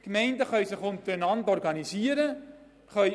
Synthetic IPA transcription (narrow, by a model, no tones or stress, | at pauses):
kmɛɪndəχœɥsɪχʊntəɾənɑntɔrɡɑnisiəɾə | χœ